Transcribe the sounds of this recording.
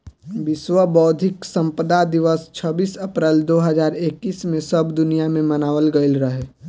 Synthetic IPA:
ʋɪswəbɔːd̪ʱɪksə̃mpəd̪ad̪ɪʋəst͡ʃʰəbiːsəpɾeld̪oːɦəzaːɾeːkːiːsmẽsəbd̪ʊnijamẽmɐnaːʋəlɡəɪlɾəɦeː

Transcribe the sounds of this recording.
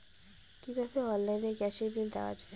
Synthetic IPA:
kibʱabeɔnlajneɡɛʃeɾbild̪ḛʊa̰d͡ʑae

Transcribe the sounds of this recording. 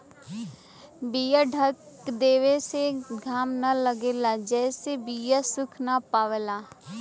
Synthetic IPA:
bijaɖʱək | d̪eːʋeseɡʱaːmnɐləɡeːlad͡ʒɛːsebijasʊkʰnapaːʋelaː

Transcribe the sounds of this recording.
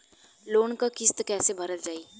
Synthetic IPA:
loːnkakɪst̪kɛːsebʱɐɾəld͡ʒaːiː

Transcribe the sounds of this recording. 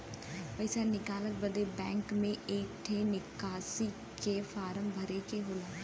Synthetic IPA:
pəɪsaːnɪkaːlək̚bəd̪eːbɛ̃ːŋkmẽʔeːk̚ʈʰeːnɪkaːsiː | keːfaːɾəmbʱəɾeːkeɦoːlaː

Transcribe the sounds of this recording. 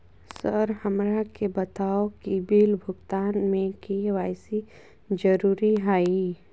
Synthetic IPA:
səɾhəmɾakebɐt̪aːokibiːlbʱʊɡt̪aːnmẽkiʋaːɪsi | d͡ʒəɾuːɾiɦaːi

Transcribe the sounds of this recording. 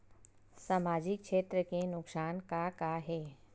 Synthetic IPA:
saːmaːd͡ʑɪkʃeːt̪ɾəkenʊksaːnkakaɦeː

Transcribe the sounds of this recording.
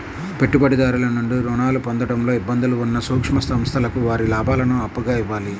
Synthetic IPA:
pe̞ʈːubɐɽid̪aːɾulɐnuɳɖuɾɔːnaːlupond̪ɐʈɐmlo̞ːibːɐnd̪uluːnːɐsuːkʂmɐst̪ɐmst̪ʰɐlɐkuʋaːɾilaːbʱaːlɐnuɐpːuɡaːiʋːaːli

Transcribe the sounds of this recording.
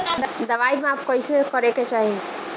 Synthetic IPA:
d̪əʋaimeapkəisekəɾeket͡ʃaɦi

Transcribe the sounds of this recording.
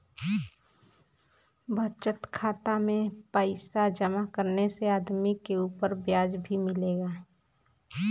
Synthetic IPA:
bʱət͡ʃət̪kʰaːt̪amẽpəɪsad͡ʒəmakəɾneseaːd̪mikeuːpəɾbjaːd͡ʒbʱimɪleːɡaː

